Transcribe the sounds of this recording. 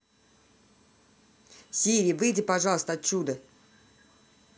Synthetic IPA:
sʲiɾʲijəvɨjdʲɪpɐʐɑlˠəst̪əɐt̪̚t͡ɕud̪ə

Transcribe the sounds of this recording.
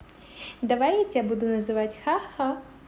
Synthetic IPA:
d̪ɐʋajatʲabud̪ʊnɐzɨʋatʲxaxɐ

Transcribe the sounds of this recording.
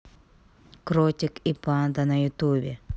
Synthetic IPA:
kɾɔtʲɪkipɑnd̪ɐnɐjʊt̪ubʲɛ

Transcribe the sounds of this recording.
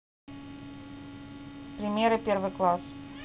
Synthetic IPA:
pɾʲɪmʲeɾɨpʲervɨjklˠas

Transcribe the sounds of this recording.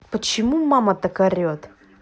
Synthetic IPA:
pət͡ʃimumamɐt̪ɐkɐɾʲot̪

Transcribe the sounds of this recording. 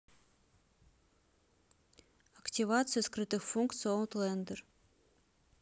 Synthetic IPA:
ɐktʲivat̪sɨjəskɾɨt̪ɨxfuŋkt̪sɨont̪lˠɛnd̪ər

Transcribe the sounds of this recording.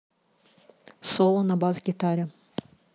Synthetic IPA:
solˠɐnɐbazɡʲit̪aɾʲɐ

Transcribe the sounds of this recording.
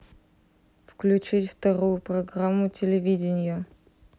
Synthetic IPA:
fklʲʉt͡ɕitʲft̪ɐɾujʊprɐɡramːʊtʲɪlʲɪvʲidʲɪnʲɪjə

